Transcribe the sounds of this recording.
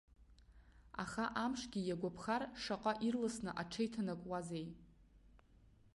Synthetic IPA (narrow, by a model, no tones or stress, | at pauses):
a̰χaʔamʂɡʲijaɡʷapʰχarʂaqʷʼaʔirlasnɨʔaʈ͡ʂʰejtʰanakʷʼwazej